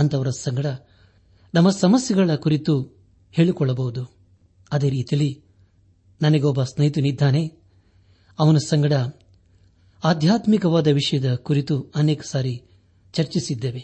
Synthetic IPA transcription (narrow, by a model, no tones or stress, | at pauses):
ɐnt̪ɐʋɐɾɐsɐŋɡɐɽɐ | nɐmɐsɐmɐsjɐɡɐɭɐkuɾit̪u | he̞ːɭikɔɭːɐbɐɦud̪u | ɐd̪eːɾiːt̪ijɐlːi | nɐnɐɡeɔːbɐsnɐjt̪unid̪ʱːaːne̞ | ɐʋɐnɐsɐŋɡɐɽɐ | aːd̪ʱjaːt̪mikɐʋaːd̪ɐʋiʂɐjɐd̪ɐkuɾit̪uɐnɛːkɐ̥saːɾi | t͡ʃɐɾt͡ʃisid̪ːeːʋe